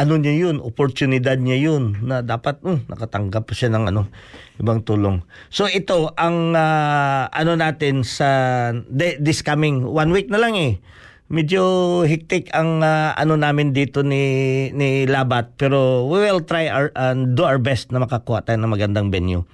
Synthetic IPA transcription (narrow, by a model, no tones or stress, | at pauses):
ʔɐnoɲajonʔopoɹt̪ʊnɪd̪ad̪̚ɲajonːɐd̪aːpɐt̪̚ʊnʔɐ̰kɐt̪ɐŋɡapʃanɐŋɐ̰no̞ʔɪbaŋt̪uːlo̞ŋ | soʔɪt̪o̞ʔɐŋaʔɐ̰no̞naːt̪ɪnsɐd̪ɛd̪ɪskamɪŋwanwik̚nɐlaŋɛ | mɛd͡ʒoɦɪk̚t̪ɪkɐŋaʔɐ̰nonaːmɪnd̪iːt̪o̞nɪnɪlaːbat̪̚pɛːɾo̞wiwɪlt̪ɾajaʔɐd̪uawɹbɛst̪̚nɐmɐkɐkuːhaʔt̪aːjnɐŋmɐɡɐnd̪aŋbɛnju